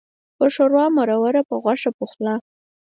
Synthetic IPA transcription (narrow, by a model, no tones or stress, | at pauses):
pəʂoɾwɑmaɾawaɾapəɣwaʂapuxlɑ